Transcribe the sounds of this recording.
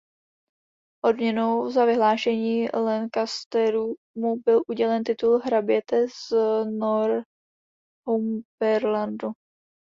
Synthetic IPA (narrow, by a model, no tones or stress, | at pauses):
ʔo̞dmɲɛnowzavɪɦlaːʃɛɲiːlɛnkast̪ɛɾu | mubɪlʔuɟɛlɛnt̪ɪt̪ulɦɾabɪɛt̪ɛznoɾ | ɦumb̥ɛɾlandu